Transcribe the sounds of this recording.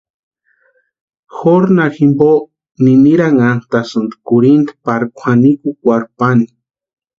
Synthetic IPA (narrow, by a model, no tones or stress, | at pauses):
xoɾnaximbo | niniɾaŋant̪asɨnd̪kuɾind̪paɾkʷʰanikukʷaɾpani̥